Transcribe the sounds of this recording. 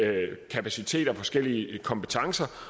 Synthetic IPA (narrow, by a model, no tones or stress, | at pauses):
kʰæpʰæsit͡sʰe̝̰ːd̥ɐfɒ̽sɡ̥el̰iəkʰɒ̽mpʰe̥t͡sʰɑ̈ŋsɐ